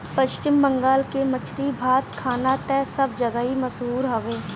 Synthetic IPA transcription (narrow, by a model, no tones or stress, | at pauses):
pəʃt͡ʃɪmbə̃ŋɡaːlkemət͡ʃʰɾibʱaːt̪kʰaːnat̪ɛːsəb̚d͡ʒəɡəɦiməsɦuːɾɦɐʋeː